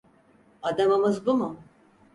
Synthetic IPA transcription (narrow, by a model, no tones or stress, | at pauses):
ad̪amɯmɯzbumʊ